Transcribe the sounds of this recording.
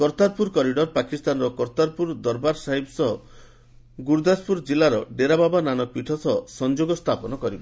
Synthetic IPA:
kɔɾt̪aɾpuɾkɔɾiɖɔɾpakist̪anɾɔkɔɾt̪aɾpuɾd̪ɔɾbaɾsaɦibsɔɦɔ | ɡuɾd̪aspuɾd͡ʒilaɾɔɖeɾababananɔpiʈʰɔsɔsɔnd͡ʒoɡɔst̪ʰapɔnɔkɔɾibɔ

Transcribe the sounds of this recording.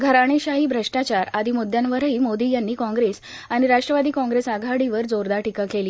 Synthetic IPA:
ɡʱəɾaɽ̃iɕaɦiːbʱɾəʂʈat͡ɕaɾad̪ʱimud̪ʱjanʋəɾəiːmod̪iːjanːiːkɔ̃ŋɡɾes | aɽ̃iɾaʂʈɾəʋad̪iːkɔ̃ŋɡɾesaɡʱaɽiʋəɾd͡zoɾd̪aʈikakeli

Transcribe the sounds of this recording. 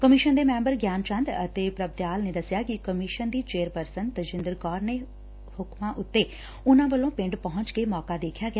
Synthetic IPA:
kəmɪʃənd̪eːmɛ̃ːmbəɾɡjaːnt͡ʃə̃nd̪ət̪eːpɾəb̚d̪jaːlneːd̪əsɪjaːkɪkəmɪʃənd̪iːt͡ʃeːɾpəɾsənt̪əd͡ʒɪ̃nd̪əɾkɔːɾneː | hʊkmãːʔʊt̪ːeː | ʊnãːʋəlõːpɪ̃ɳɖpɔɦʊ̃ɲt͡ʃkeːmɔːkaːd̪eːkʰjaːɡɪjaː

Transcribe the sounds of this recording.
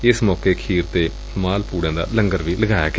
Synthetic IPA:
ɪsmɔːkeːkʰiːɾt̪eː | maːlpuːɽãːd̪a̰ːlə̃ŋɡəɾʋiːləɡaːja̰ːɡ

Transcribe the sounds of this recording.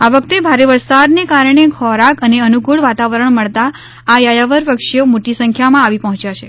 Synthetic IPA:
aʋəkt̪ebʱaɾeʋəɾsad̪nekaɾɳ̃ekʰɔɾakəneənukuɭʋat̪aʋəɾəɳməɭt̪aː | jajaʋəɾpəkʃijomoʈisə̃ŋkʰjamãaʋipəɦɔ̃t͡ʃjat͡ʃʰe

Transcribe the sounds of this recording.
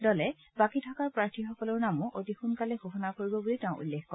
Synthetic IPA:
dɔlɛ | bakitʰɔkaɹpɹaɹtʰixɔkɔlɔɹnamuʔodixunkalɛxoxɔnakoɹibɔbulitɛʊ̃ʔṵlːexkɔ

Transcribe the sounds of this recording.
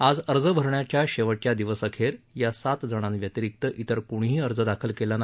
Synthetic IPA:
ad͡zəɾd͡zəbʱəɾɳjat͡ɕjaɕeʋəʈjad̪iʋəsəkʰeɾjasat̪d͡zəɽ̃ãnʋjət̪iɾik̚t̪əʔit̪əɾkuɽ̃ɦiːəɾd͡zəd̪akʰəlkelana

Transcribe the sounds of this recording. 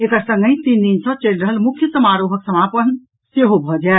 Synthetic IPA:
ekəɾsə̃ŋɡə̃ĩt̪ind̪insə̃t͡ʃelɾəɦəlmukʰjəsəmaɾoɦəksəmapən | seɦobʱɔd͡ʒae

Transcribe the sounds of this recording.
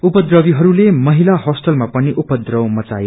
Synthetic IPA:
upʌd̪rʌbiɦʌɾulemʌɦilahʌsʈʌlmapʌniʔupʌd̪rʌwmʌt͡sa̰je

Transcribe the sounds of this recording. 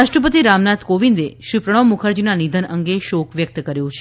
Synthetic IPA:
aʂʈɾəpət̪iɾamnat̪koʋind̪eʃipɾəɽ̃omukʰəɾd͡ʒinanid̪ʱənəŋɡeʃokʋjək̚t̪kəɾjũt͡ʃʰe̥

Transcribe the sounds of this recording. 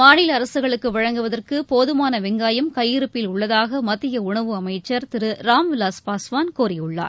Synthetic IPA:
maːɳɪlɐɾɐsɯɣɐɭɯkːɯʋɐɻɐŋɡɯʋɐðɐrkɯpoːðɯmaːnɐʋɪŋɡaːjɐmkɐjːɪɾɯpːɪlʊɭːɐðaːɣɐmɐt̪ːɪjɐʊɳɐʋɯɐmɐɪt͡ʃːɐɾt̪ɪɾɯɾaːmʋɪlaːspaːsʋaːnkuːɾɪjʊɭːa̰ːɾ

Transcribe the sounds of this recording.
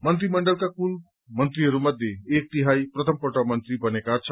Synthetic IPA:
mʌnt̪ɾimʌɳɖʌlkakul | mʌnt̪riɦʌɾumʌd̪ʱjeek̚t̪iɦajprʌt̪ʰʌmpʌʈʌmʌnt̪ɾibʌnekat͡sʰʌ

